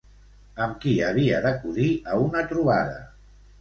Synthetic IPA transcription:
əmkiəβiəðəkuðiəunət̪ɾuβaðə̰

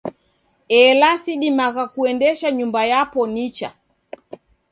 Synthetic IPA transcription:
ɛlasiɗimaɣakuɛndɛʃaɲumbajapɔnit͡ʃa

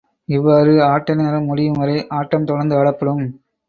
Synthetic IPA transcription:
ɪʋːaːɾɯaːʈːɐneːɾɐmʊɽɪjɯmʋɐɾɐɪʔaːʈːɐmt̪ɔɽɐɾnd̪ɯɐɽɐpːɐɽɯm

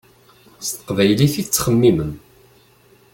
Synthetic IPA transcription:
st̪ə̥qvæjliθit͡sːχəmːimən

